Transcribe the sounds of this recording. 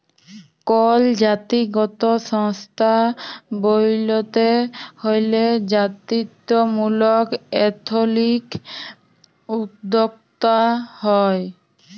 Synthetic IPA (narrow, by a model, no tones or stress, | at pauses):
kɔld͡ʑat̪iɡɔt̪oʃɔŋst̪ʰabojlot̪ehojled͡ʑat̪ɾit̪ːomulokɛt̪ʰolik | ud̪ːok̚t̪ahɔe